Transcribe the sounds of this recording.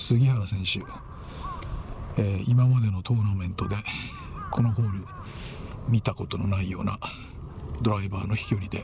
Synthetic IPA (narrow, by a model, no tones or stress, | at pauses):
sɨɡʲihaɾasẽ̞ɰ̃ɕɨ̰ | eimamad̪e̞no̞t̪o̞ːnamẽ̞nt̪o̞d̪e̞ | kʰo̞no̞ɦo̞ːɾɯ̟ | mʲit̪ako̞t̪o̞no̞naijo̞̰ːna | d̪o̞ɾaibaːno̞çi̥kʲioɾʲid̪e̞̰